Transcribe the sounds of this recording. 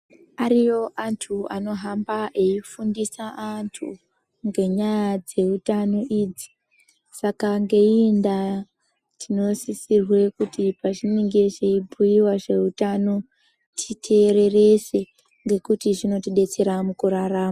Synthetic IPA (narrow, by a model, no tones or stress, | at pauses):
aɾijo̞ʔantʰuano̞ɦambaʔe̞ifundisaʔantʰṵ | ŋɡe̞ɲajad͡ze̞utano̞ʔiːd͡zi̥ | sakaŋɡe̞iinda | tʰino̞sisirwe̞kutipaʐiniŋɡe̞ʐe̞ibʱujiwaʐe̞utano̞ | tʰitʰe̞ɾe̞re̞se̞ | ŋɡe̞kutiʐino̞tiɗe̞t͡se̞ɾamukuɾaraːma